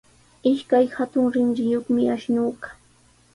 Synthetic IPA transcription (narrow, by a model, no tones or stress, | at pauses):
ɪʃkajhat̪ʊŋɾɪŋɾɪjoχmɪaʃnuːɢḁ